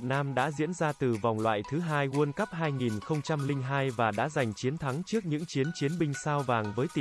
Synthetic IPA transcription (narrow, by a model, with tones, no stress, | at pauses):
t̚naː˧mɗa̰ː˧˥zḭ˧˥ənzaː˧t̪ɨ˨˩va˨˩wŋ͡mlwa̰ː˧˨jt̪ʰɨ˨˦ɦaː˧jŋu˧ənkə˦˥p̚haː˧jŋi˨˩nxə˧wŋ͡mt͡ɕa˧mlï˧ŋ̟ɦaː˧jvaː˨˩ɗa̰ː˧˥za˨˩jŋ̟t͡ɕi˨˦ənt̪ʰa˨˦ŋt͡ɕɨ˦˥ək̚ɲɨ̰˧˥ŋt͡ɕi˨˦ənt͡ɕi˨˦ənɓï˧ŋ̟saː˧wvaː˨˩ŋvəː˨˦jt̪i˨˩